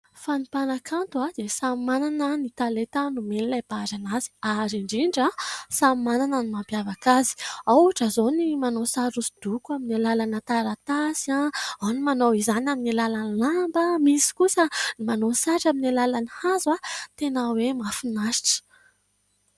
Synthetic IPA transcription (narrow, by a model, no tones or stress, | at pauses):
fanipanakʰant̪uad̪̥esamananənit̪alet̪anumenilajbazanaz̥i̥aɾiɳɖ͡ʐiɳɖ͡ʐasammananənimampjavakazi̥awʈ͡ʂəzonimanosaɾusid̪̥ukuaminalalanət̪aɾat̪asiaanimanowizanaminilalanilambəmisi̥kusənimanosaʈ͡ʂaminalalanihazwat̪enawemafunaʃi̥ʈ͡ʂə̥